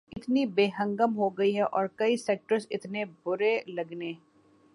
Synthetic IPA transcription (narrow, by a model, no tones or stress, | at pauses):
ɪt̪nibeːɦə̃ŋɡəmɦoɡɐiɦɛʔɔːɾkɐisɛːk̚ʈəɾsɪt̪nebʊɾelɐɡneː